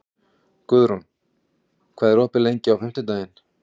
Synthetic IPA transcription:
kʏðɾum | kʰvaːðɾoːhpɪlejɲcɪawfɪm̥t̪ɪt̪aːjɪn

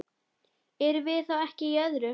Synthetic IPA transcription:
ɛɾvɪðθawɛhcɪjœðɾʏ

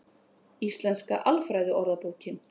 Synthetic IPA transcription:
ist̪lɛnska̰ʔalfɾajðʏʔɔɾðapoːwcɪm

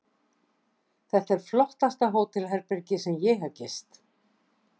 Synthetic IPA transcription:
θɛht̪ɛɾ̥flɔht̪ast̪aɦoːwt̪ʰɪlɦɛɾpɛɾcɪsɛmjɛɦaðcɪst̪

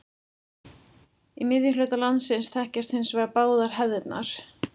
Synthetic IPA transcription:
imɪðjʏlœɥt̪alant̪sɪnsθɛhcast̪hɪnsvaːɣapaːwðaɾ̥ɦɛððɪt̪na̰ɾ̥

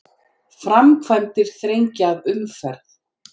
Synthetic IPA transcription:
fɾamkʰvant̪ɪɾ̥θɾejɲcɪaðʏmfɛɾθ

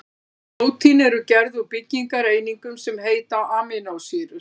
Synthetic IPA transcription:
noːwt̪ʰinɛɾʏcɛɾðupɪcːiŋkaɾeːjniŋkʏmsɛmɦeːjt̪awaːmɪnawsɪɾʏ

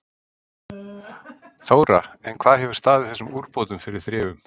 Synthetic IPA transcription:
θoːwɾa̰ɛnkʰv̥aːðhɛvʏ̥ɾ̥st̪aːðɪθɛsːʏmuːɾpoːwt̪ʏmfɪɾɪɾ̥θɾɪːvʏm

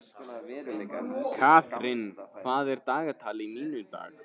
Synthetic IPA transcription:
kʰaːfɾɪnkʰvaːðɛɾt̪aːɣat̪ʰaːlɪiniːnʏt̪a̰ːɣ

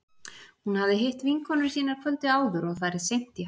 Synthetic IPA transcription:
hunhavðɪɦejht̪viŋkʰɔnʏɾ̥siːnaɾ̥kʰvœlt̪ɪaːwðʏɾɔɣθaɾɪ̥sejm̥t̪i

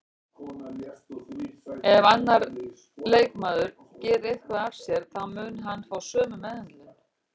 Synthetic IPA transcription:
ɛvanːaɾ | lejkmaːðʏɾ | cɛːɾejhkvaðaɾ̥sjɛɾ̥θaðmʏːnɦanːfawsœːmʏmɛðant̪lɪ

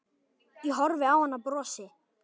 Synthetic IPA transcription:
iɦɔɾvɪawhanːapɾɔːsɪ

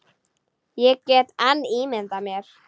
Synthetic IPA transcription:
jɛɣcɛt̪animɪnt̪amjɛɾ̥

